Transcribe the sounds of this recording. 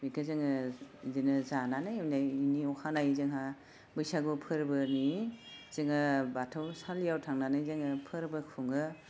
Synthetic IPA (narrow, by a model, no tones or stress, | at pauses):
mikʰɯzɯŋɯzinɯzananɯjnajiniɔkʰanajzɯŋɦa | bɯjsaɡupʰɯɾbɯnizɯŋɯbatʰɯwsalijawtʰaŋnanɯjzɯŋɯpʰɯɾbɯkʰuŋɯ